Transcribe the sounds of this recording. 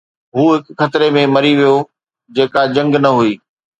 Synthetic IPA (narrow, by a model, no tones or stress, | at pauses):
ɦuːɦɪkxɐt̪ɪɾemẽmɐɾiʋijo | d͡ʑeːkad͡ʑɐ̃ŋɡnɐɦuiː